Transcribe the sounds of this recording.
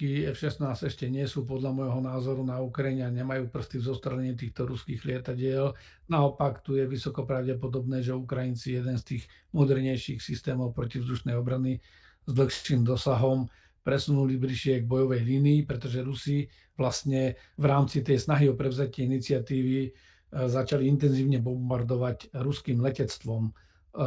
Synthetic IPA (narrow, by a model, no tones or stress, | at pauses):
kiɛfʃɛsnaːzɛʃcɛɲɪɛsuːpɔd̪ʎamɔjɦɔnaːzɔɾunaukɾajiɲɛaɲɛmajuːpr̩st̪ivzɔst̪ɾɛlɛɲit̪̬iːxt̪ɔɾuskiːɣlʲɪɛt̪aɟɪɛl | naɔpakt̪ujɛʋisɔkɔpɾaʊɟɛpɔd̪ɔbnɛːʒɛukɾajint͡sijɛd̪ɛnst̪iːɣ | mɔd̪ɛɾɲɛjʃiːxsist̪ɛːmɔʊpɾɔcivzd̪uʃnɛjɔbɾani | zd̪l̩xʃiːmd̪ɔsaɦɔm | pɾɛsunulibliʃɪɛɡbɔjɔʋɛjliːniːpɾɛt̪ɔʒɛɾusi | ʋlast̪ɲɛ | ʋɾaːmt͡sit̪ɛjsnaɦiɔpɾɛʊzacɪɛinit͡sɪat̪iːʋi | zat͡ʃaliint̪ɛnziːʊɲɛbɔmbaɾd̪ɔʋaɟɾuskiːmlɛcɛt͡st̪ʋɔm